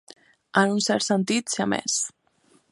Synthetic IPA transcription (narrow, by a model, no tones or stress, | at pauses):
ənunsɛɾt̪sənt̪it̪seamɛ̰s